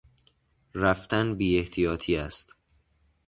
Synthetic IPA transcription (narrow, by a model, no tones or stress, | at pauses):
ræft̪ænbiːe̞ht̪ʰijɒːt̪ʰiːæst̪